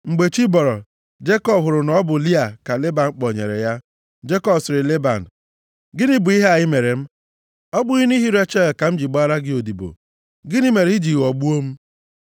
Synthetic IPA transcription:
ŋ͡m̩˨ɡ͡be˨t͡ʃi˦bɔ˨ɾɔ˨ | d͡ʒe˦kɔ˦bɦʊ˨ɾʊ˨nɔ˦bʊ˨li˦a˨ka˨le˦ba˨n̩˨˦k͡pɔ˨ɲḛ˨ɾḛ˨ja˦ | d͡ʒe˦kɔ˦bsɪ˨ɾɪ˨le˦ba˨n̩˨ | ɡɪ˦nɪ˦bʊ˨i˦ɦe˦a˨ɪ˦me˨ɾe˨m̩˦ | ɔ˦ɡ͡bʊ˦ɣi˦ni˦ɦi˦ɾe˦t͡ʃe˦˨ka˨m̩˦d͡ʒi˨ɡ͡ba˦ɾa˦ɡɪ˦o˨di˨bo̰˨ | ɡɪ˦ni˦me˨ɾi˦d͡ʒi˨ɔ˨ɡ͡bu˦o˦m̩˦

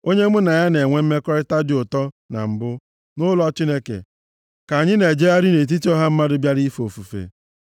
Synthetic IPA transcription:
o˦ɲe˦mʊ˦na˨ja˦ne˨ŋʷe˦m̩˦me˦kɔ˦ɾɪ˦ta˦dɪ˨ʊ˨tɔ˦ | na̰˨m̩˨bʊ˦ | nʊ˦lɔ˦t͡ʃi˦ne˦kḛ˨ | ka˨ɲɪ˦ne˨d͡ʒe˦ja˦ɾɪ˦ne˨t̬i˦ti˦ɔ˦ɦa˦m̩˦ma˦dʊ˦bja˦ɾi˦fo˨fu˨fḛ˨

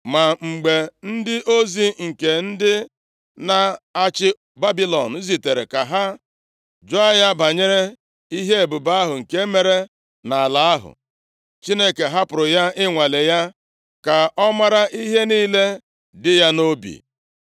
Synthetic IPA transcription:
ma˨ŋ͡m̩˨ɡ͡be˨n̩˦dɪ˦ʔo˦zi˨ŋ̩˨ke˨n̩˦dɪ˦ | na˨a˦t͡ʃɪ˦ | ba˦bi˦lɔ˨n̩˨˦zi˨te˨ɾe˨ka˨ɦa˦ | d͡ʒo˦a˦ja˦ba˨ɲe˦ɾe˦ | i˦ɦe˦e˨bʊ˨ba˦ɦʊ˨ŋ̩˨ke˦me˦ɾe˦ | na˨a˨la˨a˦ɦʊ̰˨ | t͡ʃi˦ne˦ke˨ɦa˦pʊ˨ɾʊ˨ja˦ɪ˦ŋʷa˨le˨ja˦ | ka˨ɔ˦ma˦ɾa˦ʔi˦ɦe˦niː˦le˦ | dɪ˦ja˦no˦bḭ˨

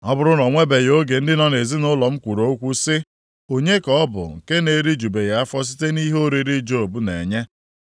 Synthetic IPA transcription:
ɔ˦bʊ˦ɾʊ˦nɔ˨ŋʷe˦be˨jo˦ɡe˨n̩˦dɪ˦nɔ˦ne˨zi˦nʊ˦lɔ˨m̩˦kʷu˨ɾo˨˦kʷu˦sɪ˦ | o˦ɲe˦kɔ˦ɔ˦bʊ̰˨ŋ̩˨ke˦ne˨ɾi˦d͡ʒu˨be˨ja˦a˦fɔ˦s̬i˦te˦ni˦ɦo˦ɾi˦ɾi˦d͡ʒo˦˨bu˦nḛ˨ɲe˦

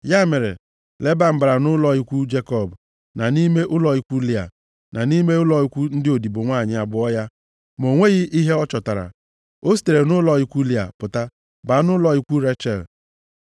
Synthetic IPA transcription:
ja˦me˨ɾe˨ | le˦ba˨m̩˨ba˨ɾa˨nʊ˦lɔ˨i˦kʷu˦d͡ʒe˦kɔ˦˨b | na˨ni˦me˦ʔʊ˦lɔ˨i˦kʷu˦li˦a̰˨ | na˨ni˦me˦ʊ˦lɔ˨˦i˦kʷu˦n̩˦dɪ˦o˨di˨bo˨ŋʷaː˦˨ɲɪ˨a˨bʊ˨ɔ˦ja˦ | mo˨ŋʷe˦ɣɪ˦ʔi˦ɦe˦ɔ˦t͡ʃɔ˨ta˨ɾa̰˨ | o˦si̥˨te˨ɾe˨nʊ˦lɔ˨i˦kʷu˦li˦a̰˨pʊ˨ta˦ | ba˨˦nʊ˦lɔ˦i˦kʷu˦ɾe˦t͡ʃɛ˨l

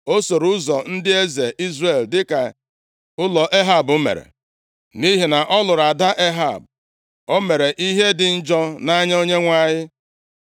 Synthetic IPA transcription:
o˦so˨ɾʊ˦zɔ˨n̩˦dɪ˦e˦ze˨ʔi˦zre˦˨ldɪ˦ka˨ | ʊ˦lɔ˨ʔe˦ɦa˨bʊ˦mḛ˨ɾḛ˨ | ni˦ɦi˨na˨ʔɔ˦lʊ˨ɾa˨da˦ʔe˦ɦa̰˨b̚ | o˦me˨ɾe˨ʔi˦ɦe˦dɪ˨n̩˦d͡ʒɔ˦na˦ɲa˦o˦ɲe˦ŋʷa˦˨ɲɪ˦

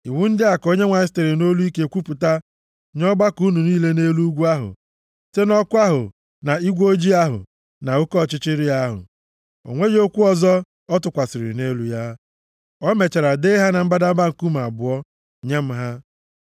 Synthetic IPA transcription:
i˨wu˦n̩˦dɪ˦a˨ko˦ɲe˦ŋʷa˨ɪ˦ste˨ɾe˨no˦lu˦i˦ke˦kʷu˦pu˨ta˦ | ɲɔ˦ba˦ku˦nu˨niː˦le˦ne˦lu˦u˦ɡʷu˦a˦ɦʊ̰˨ | te˦nɔ˦kʊ˦a˦ɦʊ̰˨ | na˨i˦ɡʷo˦d͡ʒi˦a˦ɦʊ̰˨ | na˨o˦kɔ˦˨t͡ʃɪ˦t͡ʃɪ˦ɾɪ˦a˦ɦʊ̰˨ | o̰˨ŋʷe˦d͡ʒo˦kʷu˦ɔ˨zɔ˦ | ɔ˦tʊ˨kʷa˨sɪ˨ɾɪ̰˨ne˦lu˦ja˦ | ɔ˦me˨t͡ʃa˨ɾa˨de˦ɦa˦na˨m̩˦ba˦da˦ba˦ŋ̩˨ku˦m̩˨a˨bʊ˨ɔ˦ | ɲe˦m̩˦ɦa˦

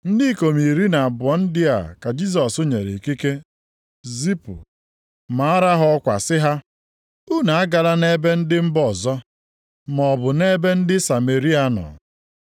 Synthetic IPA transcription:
n̩˦di˦˨ko˨mi˨ɾi˦na˨a˨bɔ˨˦n̩˦dɪ˦a̰˨ka˨d͡ʒi˦s̬ɔ˨sʊ˦ɲe˨ɾḛ˨ki˦ke˦ | zi˦pʊ̰˨ | ma˨a˦ɾa˦ɦɔ˦kʷa̰˨sɪ˦ɦa˦ | u˦na˨a˦ɡa˨la˦ne˦be˦n̩˦dɪ˦m̩˦bɔ˦˨zɔ˦ | mɔ˨bʊ˨ne˦be˦n̩˦dɪ˦sa˨me˨ɾi˦a˦nɔ̰˨

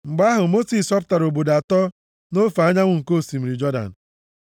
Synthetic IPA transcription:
ŋ͡m̩˨ɡ͡ba˦ɦʊ˨mo˦si˨sɔ˦pta˨ɾo˨bo˨da˨tɔ˦ | no˦fa˦ɲa˦ŋʷʊ˨ŋ̩˨ko˦˨si˨m̩˨ɾi˨d͡ʒɔ˦da̰˨n̩˨

